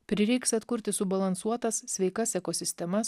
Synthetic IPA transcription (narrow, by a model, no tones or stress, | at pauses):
pʲɾʲɪɾʲɛɪksɐt̪kʊɾʲt̪ʲɪsʊbɐlˠɐnsuɔt̪ɐssʲʋʲɛɪkɐsɛkoːsʲɪsʲt̪ʲɛmɐs